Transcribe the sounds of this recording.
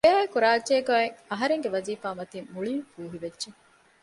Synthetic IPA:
jaːekuɾaːdʒeːɡaːeŋɐɦɐɾeŋɡeʋɐziːfaːmɐt̪imuɭiːfuːɦiʋedʒe

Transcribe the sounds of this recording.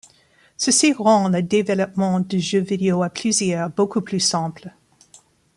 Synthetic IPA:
səsiʁɑ̃ləd̪evɛlɔp̚mɑ̃d̪əʒøvideoapʰlyzjœʁbokuplysɛ̃pl

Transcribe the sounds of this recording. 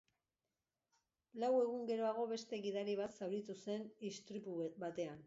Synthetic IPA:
lawe̞ɣ̞uŋɡe̞ɾo̞aɣ̞o̞βe̞st̪e̞ɣiðaɾiβ̞at̪sawɾit̪use̞nist̪ɾipubat̪e̞an

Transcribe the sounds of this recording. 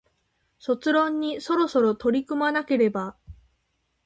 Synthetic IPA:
so̞t͡sɨɾõ̞ɲ̟ːiso̞ɾo̞so̞ɾo̞t̪o̞ɾʲikɯ̟manake̞ɾe̞ba

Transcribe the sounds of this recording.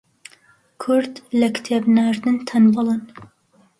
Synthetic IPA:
kʰʊɾd̪lɐkt̪ʰebnaɾd̪ɨnt̪ʰɐnbɨlˠɨn

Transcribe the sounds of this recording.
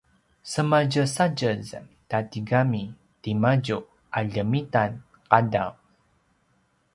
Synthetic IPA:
səmad͡ʒəsad͡ʒəz | tatiɡami | timad͡ʒuʔ | aʎəmitan | qadaw

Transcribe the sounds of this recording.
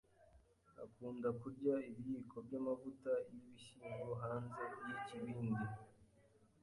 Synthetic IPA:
a̰kuːndakuɾɟaiβijikʰo̞bɟamavutaijiβiʃiːŋɡoɦaːnzejiciβiːndi

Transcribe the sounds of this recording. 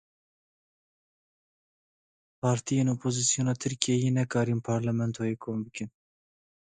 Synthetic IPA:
pʰɑːɾt̪ʰijeːnoːpʰozisijoːnɑːt̪ʰɨɾkijejenɛkɑːɾiːnpʰɑːɾlɛmɛnt̪ʰojeːkʰoːmbɨkɨn

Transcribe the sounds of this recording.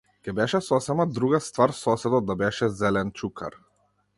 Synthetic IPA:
kɛbɛʃɛsɔsɛmad̪ɾuɡast̪vaɾsɔsɛd̪ɔd̪abɛʃɛzɛlɛnt͡ʃukʰa̰ɾ

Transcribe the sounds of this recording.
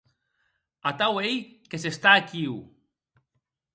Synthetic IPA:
at̪awejkesest̪aːkiw

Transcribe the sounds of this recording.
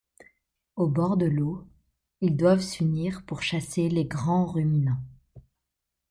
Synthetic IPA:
obɔʁd̪əlo | ild̪wavsyniʁpuʁʃaseleɡʁɑ̃ʁyminɑ̃

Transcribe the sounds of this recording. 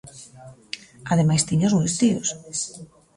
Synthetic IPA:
aðemajst̪iɲozmujst̪ios

